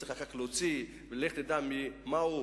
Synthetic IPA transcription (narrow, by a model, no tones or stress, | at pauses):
iχlakaklot͡si | veleχt̪ed̪amimau